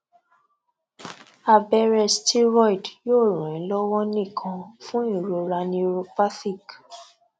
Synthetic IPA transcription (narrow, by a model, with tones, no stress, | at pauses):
a˧bɛ˧ɾɛ˧sti˦ɾɔ˦i˨djoː˦˨ɾũ˨ɛ̃˨˦lɔ˦wɔ˦nĩ˦˨kʰã˧fũ˦i˦˨ɾo˧ɾa˧nĩ˧ɾo˧pa˦si˦˨k